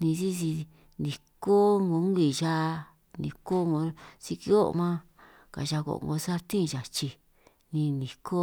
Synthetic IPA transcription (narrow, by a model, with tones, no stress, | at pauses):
nĩ˧si˦si˧ | nĩ˨ko˦ŋɡo˧˦ŋ˦ɡi˨ʒa˦˧ | nḭ̃˨ko˦ŋɡo˧si˧ki˧˦o̰˦˧mã˦ | ka̰˨ʒa˧ko̰˨ŋ˧ɡo˧sa˦˧t̪ĩ˦˧ʒa˨t͡ʃi˧ | nĩ˧nĩ˨kʰo˦